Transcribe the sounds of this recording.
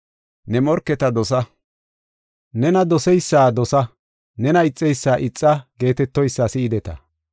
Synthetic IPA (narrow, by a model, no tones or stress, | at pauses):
nɛmɔɾkːɛt̪ɐd̪ɔsɐ | nɛnɐd̪ɔsɛjsːaːd̪ɔsɐ | nɛnɐɪt͡sʼːɛjsːaːʔɪt͡sʼːɐɡe̞ːt̪ɛt̪ːɔjsːaːsɪɪd̪ɛt̪ɐ̰